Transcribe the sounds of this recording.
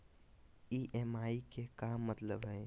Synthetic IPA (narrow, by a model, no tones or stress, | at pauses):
iːʔɛːmaːikekaːmːət̪ləbɦɛː